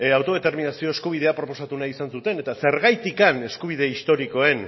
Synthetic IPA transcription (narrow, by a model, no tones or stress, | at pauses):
awt̪o̞ð̞e̞t̪e̞ɾminasio̞e̞skuβ̞ið̞e̞apɾo̞po̞sat̪unaisansut̪e̞ne̞t̪ase̞ɾɣajt̪ikane̞skuβ̞iðe̞ist̪o̞ɾiko̞e̞n